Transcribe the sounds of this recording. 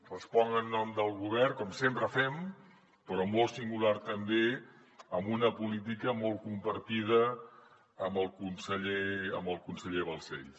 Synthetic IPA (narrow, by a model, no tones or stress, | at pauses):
rəspɔŋənːɔmd̪əlˠɣuβ̞ɛrkɔmsempɾəfɛm | pəɾɔmɔlˠsiŋɡulaɾt̪əmbe | əmbunəpulit̪̬ikəmɔlˠkumpəɾt̪ið̞əː | mbəlˠkunsəʎeə̰mbəlˠkunsəʎeβəlˠsɛʎ